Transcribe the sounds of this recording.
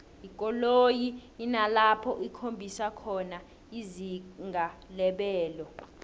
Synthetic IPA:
ikʼɔlojiːnalapʰɔʔikʰombʱisakʰɔna | iziŋʱalɛɓɛːlɔ

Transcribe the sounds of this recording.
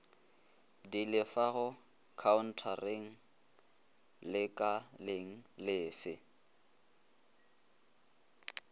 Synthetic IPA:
dilɪfaɣʊ | kʰaʊn̩tʰareŋ̩ | lɪkʼaleŋ̩lɪːfɪ

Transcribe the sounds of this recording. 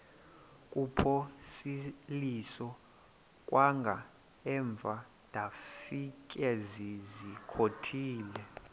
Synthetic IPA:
kʼupʰɔsilisɔ | kʼwʔaŋɡʱa̰ | ɛɱb̪vʱa | d̥ʱʼafik̬ʼɛzizikʰotʰiːlɛ

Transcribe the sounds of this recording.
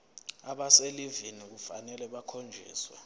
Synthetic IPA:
aɓaselivinik̬ufanɛlɛɓakʰond͡ʒʱḭːswa

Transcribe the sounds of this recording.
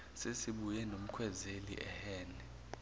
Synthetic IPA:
sesiɓujɛnom̩kʰwɛzelḭʔɛhɛːnɛ

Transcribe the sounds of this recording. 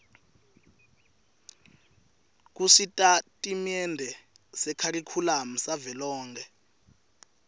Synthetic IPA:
k̬usitʼatʼimiɛndʱɛ | sɛkʰarikʰulam̩savɛlɔːŋkʰɛ

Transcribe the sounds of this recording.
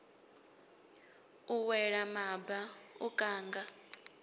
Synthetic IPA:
uwɛɺamabaṵkʼaːŋɡa

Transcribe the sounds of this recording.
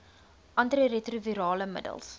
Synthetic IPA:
ʔɐntiretruviɾɑːləmə̰də̰lˠs

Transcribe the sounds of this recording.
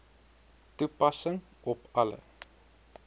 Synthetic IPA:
tupɐsəŋ | ɔpɐlə̰

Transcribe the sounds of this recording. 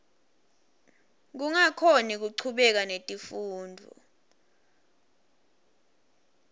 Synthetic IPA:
k̬uŋakʰonik̬uǀʰuɓɛk̬anetʼifuːndʱɔ̰

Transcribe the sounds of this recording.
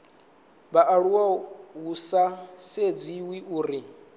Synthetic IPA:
baʔaɺuwaɦusased͡ziwiʔuːɾi

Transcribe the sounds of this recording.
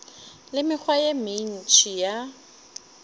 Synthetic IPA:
lɪmɪk͡xʰwajemɪn̩t͡ʃʰija

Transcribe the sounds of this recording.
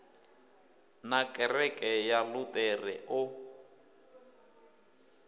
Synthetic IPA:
nakʼɛrɛkʼɛjalʊtʼɛrɪ̰ʔʊ

